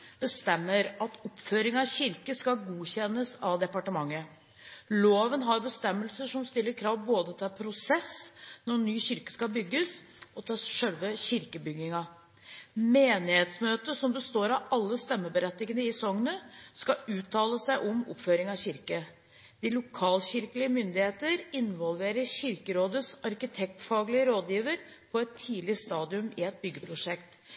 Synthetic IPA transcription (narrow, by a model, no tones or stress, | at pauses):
b̥əst̪ɛmːəɾɑt̪ɔpføːɾɪŋɑɕɪɾkəskɑɡuːçɛnːəsɑʋd̪ɛpɑʈəmɑŋːə | loːʋənɦɑɾbəst̪ɛmːəlsəʂɔmst̪ɪlːəɾkʰɾɑːʋboːd̪ət̪ʰɪlpʰɾʊsɛsnɔɳyːɕɪɾkə̥skɑbʏɡːəs | ʔɔt̪ʰɪlʂœlʋəçɪɾkəbʏɡnɪŋɑ | meːnɪheːt̪smøːt̪əsɔmbəst̪oːɾɑɑlːəst̪ɛmːəbəɾɛt̪nɪɡənəɪsɔŋːənəskɑʉːt̪ʰːɑːləsæɪʔɔmɔ̰pføːɾɪŋɑɕɪɾkə | d̪̥ɪlʊkʰɑːlçɪɾkəlɪəmʏnd̪ɪheːt̪əɾɪnʋɔlʋeːɾəɾɕɪɾkəɾoːd̪əsɑɾkɪt̪ʰɛk̚t̪fɑːɡlɪəɾoːd̪jiːʋəɾ | pʰɔɛt̪ʰːiːlɪst̪ɑːd̪ɪʉmɪɛt̪̚bʏɡːəpʰɾʊʂɛkt̪